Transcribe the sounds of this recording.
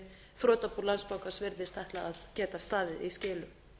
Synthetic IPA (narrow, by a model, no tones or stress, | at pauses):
θɾɔːt̪apuɾlanspawkasvɪɾðɪst̪ʰɛht̪laaðcɛːt̪ast̪aːðɪðiscɪːlʏ